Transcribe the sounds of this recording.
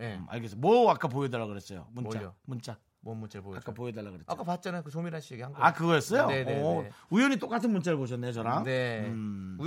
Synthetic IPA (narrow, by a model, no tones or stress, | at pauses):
a̰ɭɡes͈mwʌak͈ap̬ojedeɭɾaɡɯɾe̞s͈ʌjo̰munt͡ɕamunt͡ɕ͈a | munt͡ɕeoak͈apojedeɭːaɡɯɾeak͈apat͡ɕ͈ʌnekɯsomiɾaɕ͈ʰijeɡihaŋɡakɯɡʌes͈ʌjo | ujʌɲit͈ok͈atʰɯnmunt͡ɕ͈eɾɯɭpoɕ̬ʰʌnːeot͡ɕʌɾamne